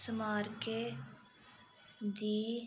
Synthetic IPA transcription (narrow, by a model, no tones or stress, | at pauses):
smaːɾke | d̪iː